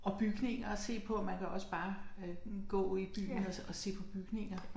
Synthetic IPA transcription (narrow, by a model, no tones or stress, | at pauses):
ɒ̽b̥yɡ̥ne̝ŋɐɒse̝̰ːpʰɒ̽mænkʰæɒ̽səb̥ɑ̈ː | ɡ̥ɔ̰̽ːib̥y̰ːn̩ɒɒ̽se̝̰ːpʰɒ̽b̥yɡ̥ne̝ŋ̰ɐ